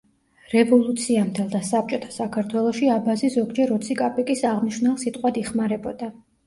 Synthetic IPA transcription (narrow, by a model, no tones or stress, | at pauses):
ɾɛvɔlˠut̪sʰiamd̪ɛlˠd̪asap̚t͡ʃʼɔt̪ʰḁsakʰaɾt̪ʰwɛlˠɔʃiabazizɔɡd͡ʒɛɾɔt̪sʰikʼapʼikʼisaʁmniʃnɛlˠsit̪ʼqʼwad̪iχmaɾɛbɔd̪̥a